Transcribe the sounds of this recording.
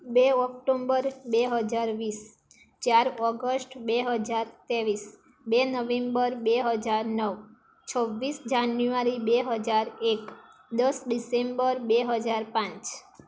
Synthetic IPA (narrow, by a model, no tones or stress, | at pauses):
beɔk̚ʈombəɾbeɦəd͡ʒaɾʋis | t͡ʃjaɾɔɡəsʈbeɦəd͡ʒaɾt̪eʋis | benəʋẽmbəɾbeɦəd͡ʒaɾnəʋ | t͡ʃʰɔʋːisd͡ʒanjuaɾibeɦəd͡ʒaɾek | d̪əsɖisembəɾbeɦəd͡ʒaɾpãt͡ʃ